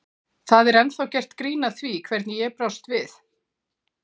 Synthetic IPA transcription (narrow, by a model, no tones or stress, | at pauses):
θaðɛɾɛnθawcɛr̥t̪kɾiːnaθvikʰvɛɾt̪njɛpɾawst̪vɪθ